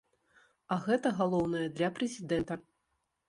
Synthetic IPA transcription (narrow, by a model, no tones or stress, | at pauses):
ɐɣɛt̪ɐɣalˠɔwnɐjɛd̪lʲɐpɾɛzʲid̪ɛnt̪ɐ